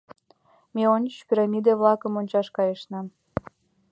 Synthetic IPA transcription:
meonʲpʲiɾɑmʲid̪eβlɑkə̆monʲt͡ɕɑʃkɑjəʃnɑm

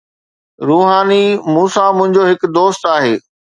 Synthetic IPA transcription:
ɾuːɦaːnimuːsamʊ̃ɦɪ̃ɲd͡ʑoɦɪkd̪oːst̪aːɦeː

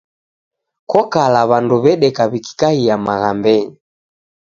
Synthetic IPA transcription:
kɔkalaβanduβɛɗɛkaβiki̥kahiamaɣambɛɲi

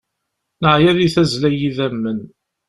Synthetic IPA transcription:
nəʕjæðiθæzlæjiðæmːən

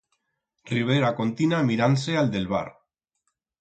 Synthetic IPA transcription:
riβ̞eɾakont̪inamiɾanseald̪e̞lβ̞a̰ɾ

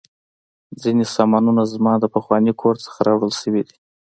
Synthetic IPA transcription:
d͡zinesɑmɑnunazmɑd̪əpəxwɑnikʰoɾt͡sə̥xaɾɑwɽəlʃəwid̪i̥

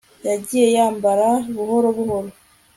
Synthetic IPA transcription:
jaɟijejaːmbaɾaβuhoɾoβuhoɾo

